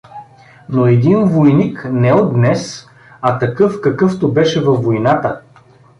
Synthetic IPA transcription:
noɛd̪invojniknɛod̪nɛs | ɐt̪ɐkɤfkɐkɤft̪obɛʃɛvɐfːojnat̪ə

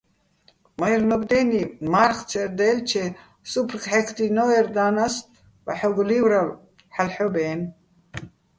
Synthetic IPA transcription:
majɾnɔbd̪ɛnimaɾχt͡sʰɛɾd̪ɛːlt͡ʃʰɛ | supʰrkħɛkʰt̪inɔɛɾd̪aːnas | va̰ħɔɡlivɾal | ħalħɔbɛːn

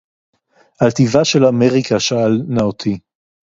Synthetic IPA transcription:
ʔalt̪ivaʃe̞lameʁikaʃaalnaot̪ʰi

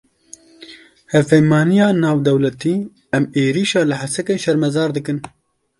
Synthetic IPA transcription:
hɛvpɛjmɑːnijɑːnɑːvd̪ɛwlɛt̪iː | ɛmeːɾiːʃɑːlɨħasɛkeːnʃɛɾmɛzɑːɾd̪ɨkɨn

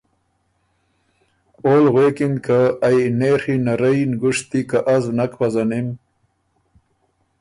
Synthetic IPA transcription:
oːlɣweːkinkaːjnexinaɾəjnɡuʂt̪ikaʔazwnakpazanim

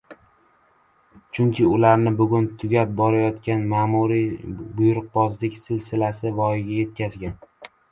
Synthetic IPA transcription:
t͡ʃʰʊŋkʲʰɪʊlaɾnɪbʊɡʲʊnt̪ʰʊɡʲap̚bɒɾajɒt̪kʲanmaːmuɾibʊjʊɾʊq̚bɒzlɪkʲsɪlsɪlasɪvɒjɪɡʲaje̞t̪̚kʲazɡʲan

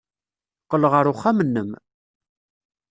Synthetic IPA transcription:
qːələʁəɾʊχːamənːəm

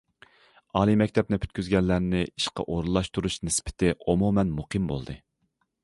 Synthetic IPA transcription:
ɑːlˠimɛkʲt̪ʰɛp̚nɪpʰy̥t̪̚ʲkʲyzɡʲɛlːæɾnɪiʃqɑ̰ʔoɾɨlˠɑʃt̪ʰuɾuʃnɪspʰɪ̥t̪ʰɪʔomumɛnmuqʰimbo̰lˠd̪ɨ

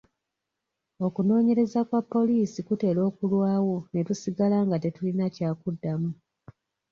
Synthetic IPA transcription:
o̞kuno̞ːɲe̞ɾe̞zakwapːo̞liːsikute̞ːlo̞ːkulwaːwo̞ne̞tusiɡalaːŋɡate̞tulinacaːkudːamu

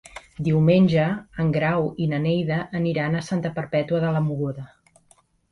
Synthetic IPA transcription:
d̪iwmenʲʒəːŋɡɾawinənejðəʔːniɾanəsant̪əpəɾpɛt̪uəðələmuɣoðə

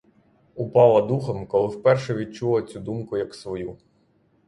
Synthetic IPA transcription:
upɑlˠɐd̪uxɔmkɔlˠɪwpɛrʃɛʋʲit͡ʃulˠɐt͡sʲud̪umkʊjɐksʋɔju

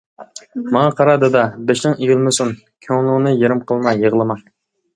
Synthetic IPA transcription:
mɑŋɑqʰɑɾɑd̪ɨd̪ɑbeʃnɪŋejylˠmʊsun | kʲʰøŋlˠunɨjeɾɪmqʰəlˠmɑjəʁlˠɨmɑ

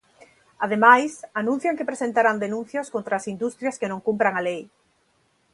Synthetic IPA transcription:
aðemajsanũn̟θjaŋkepɾesent̪aɾand̪enũn̟θjoskont̪ɾaːsind̪ust̪ɾjaskenõŋkumpɾaŋalej

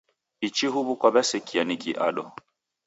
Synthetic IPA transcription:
it͡ʃiɦuβukwabɛsɛkʰianikiʔa̰ɗɔ

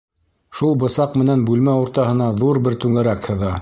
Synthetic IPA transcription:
ʃulˠbɤ̆sɑqmɘ̆nænbʉlmæuɾt̪ɑɦɤ̆nɑðuɾbɘɾt̪ʉŋæɾækhɤ̆ðɑ

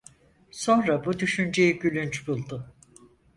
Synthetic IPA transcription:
so̞nɾabud̪yʃynd͡ʒejiɟylʲynt͡ʃbulˠd̪ʊ

